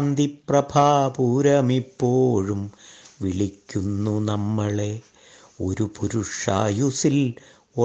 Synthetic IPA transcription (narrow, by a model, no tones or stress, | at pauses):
nd̪iprɐbʱaːpuːɾɐmipːoːɻumʋiɭikʲːunːunɐmːɐɭe̞ | o̞ɾupuɾuʂa̰ːjusil | o